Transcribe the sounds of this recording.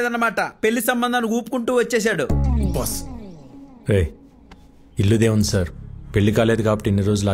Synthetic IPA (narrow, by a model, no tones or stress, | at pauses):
d̪ɐnːɐmaːʈɐpe̞ɭːisɐmbɐnd̪aniuːpkuɳʈuːʋɐt͡ʃːɛːs̬aːɽubɐs | ɾej | ilːud̪eːwund̪isaːɾupe̞ɭːikaːle̞ːd̪ukaːpɐʈienːiɾo̞ːd͡ʒulaː